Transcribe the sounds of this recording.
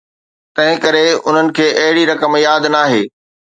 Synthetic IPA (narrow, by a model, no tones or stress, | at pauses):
t̪ɐ̃ɦɪ̃kɐɾeʊn̤ənɪ̆kʰeːʔɐɦɪɽiɾɐkəmjaːd̪naːɦeː